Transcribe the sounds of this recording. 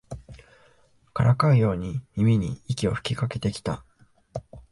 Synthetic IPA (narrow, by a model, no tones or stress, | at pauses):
kaɾʔakaɯ̟jo̞ːɲ̟imʲimʲiɲ̟ḭikʲio̞ɸɯ̟̥kʲikake̞t̪e̞kʲi̥t̪a